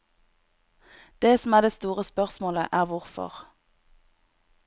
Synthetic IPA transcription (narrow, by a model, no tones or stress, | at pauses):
d̪̥eːsɔm̩æːd̪eːst̪uːʁəspœʁsmoːlə̰ʔæːʁʋʊʁfɔ̰ʁ